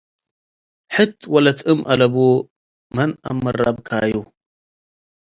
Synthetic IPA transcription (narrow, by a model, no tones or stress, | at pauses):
ħɨt̪ʰwɐlɐt̪ʰʼɨmʔɐlɐbu | mɐna̰mːɨrabkʰaːju